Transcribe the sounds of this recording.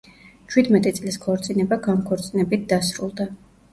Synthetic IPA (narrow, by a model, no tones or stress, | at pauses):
t͡ʃʰwid̪mɛt̪ʼit̪sʼliskʰɔɾt̪sʼinɛbaɡamkʰɔɾt̪sʼinɛbit̪̚d̪asɾulˠd̪a